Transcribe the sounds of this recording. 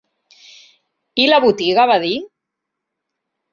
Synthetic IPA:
ilaβut̪iɣaβaði

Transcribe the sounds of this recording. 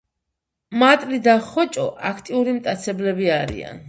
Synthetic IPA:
mat̪ʼlid̪aχɔt͡ʃʼɔ̰ʔakʰt̪ʼiuɾimt̪ʼat̪sʰɛblɛbiaɾḭa̰n

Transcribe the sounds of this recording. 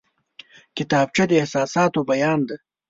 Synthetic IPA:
kɪt̪ɑːb̚t͡ʃad̪əehsɑːsɑːt̪obɐjɑːnd̪ɐ

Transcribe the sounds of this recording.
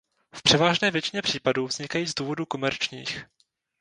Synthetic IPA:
fpr̥ɛvaːʒnɛːvjɛt͡ʃɪɲɛpr̥iːpaduːvz̥ɲɪkajiːzduːvo̞duːko̞mɛɾt͡ʃɲḭːx

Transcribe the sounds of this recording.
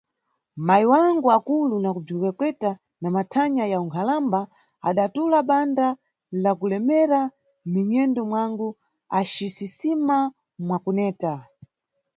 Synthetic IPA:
maiwaŋɡuakulunakub͡ʐikɛkwɛta | namatʰaɲajauŋkʰalamba | a̰ɗatulaɓanda | lakulɛmɛɾa | miɲɛndɔmwaŋɡu | aʃisisima | mwakunɛːta

